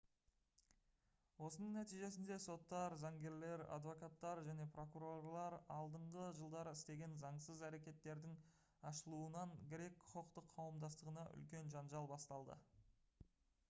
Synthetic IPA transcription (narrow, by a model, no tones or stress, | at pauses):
wo̞sənəɴnæt̪ijʒe̞sɪnd̪eso̞t̪ːɑɾzɑŋɡʲe̞ɾle̞ɾa̰d̪vo̞kat̪ːɑɾʒæne̞pro̞kuɾo̞rlˠɑɾɑlˠd̪əɴʁəʒəlˠd̪ɑɾɪst̪e̞ɡʲe̞nzɑɴsəzæɾe̞kʲe̞t̪ːe̞ɾd̪ɪŋ | ɑʃəlˠuənɑŋɡʲɪɾe̞kʰːʊ̥qəqt̪əqʰːɑwəmd̪ɑst̪əʁənɑʔʏ̰lkʲe̞nʒɑnʒɑlˠbɑst̪ɑlˠd̪ə̰